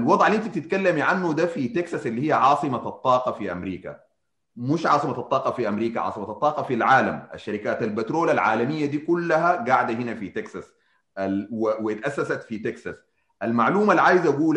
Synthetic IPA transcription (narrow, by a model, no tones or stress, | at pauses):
ʔalwɑd̪ˤʕalːiʔint̪ib̚t̪ɪt̪kalːamiʕanːud̪afit̪eksasʔɪlːihijːaʕɑːsˤɨmat̪ˤːɑːqɑfiʔamɾiːka̰ | muʃʕɑ̰ːsˤɨmatɑt̪ˤːɑːqɑfiʔamɾiːka̰ʕɑ̰ːsˤɨmat̪ɑt̪ˤːɑːqɑfilʕaːla̰ma̰ʃːaɾikaːt̪albet̪ɾoːlalʕa̰ːlamijːad̪iːkulːaɦaɡaʕd̪ahinafit̪eksas | awwt̪ʔasːasat̪fit̪eksas | ʔalmaʕluːmalʕaːjizaʔaɡuːl